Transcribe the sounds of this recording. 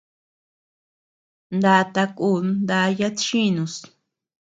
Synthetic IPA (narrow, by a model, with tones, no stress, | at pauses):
nd̪a˧t̪a˧ku˦˨nd̪a˧ja˦t̪t͡ʃĩ˦nũ˧s